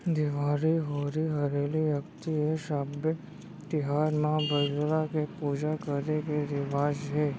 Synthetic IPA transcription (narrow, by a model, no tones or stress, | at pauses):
d̪ɪʋaɾiɦoɾiɦəɾelijəkt̪ieʃabə | t̪ɪɦaɾmãbʱəd͡ʒɾakepud͡ʒakəɾekeɾɪʋad͡ʒɦe